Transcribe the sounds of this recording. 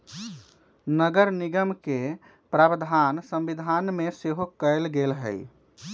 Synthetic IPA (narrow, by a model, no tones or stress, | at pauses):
nəɡəɾniɡəmke | pɾabd̪ʱansəmbid̪ʱanmeseɦokəɪlɡelɦə̰j